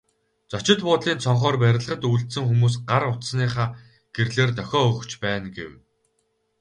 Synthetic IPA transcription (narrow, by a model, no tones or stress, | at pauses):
t͡sɔt͡ɕɪ̆t̪pʊːt̪ɮiːnt͡sʰɔɴχɔːrpæɾʲɪ̆ɮʁə̆t̪uɬt̪sɘ̆ŋxumuːs̬ɢaɾʊt̪sniːχaː | ɡ̥erɮeːrt̪œxʲɔːɵxt͡ɕpæːnɡḛw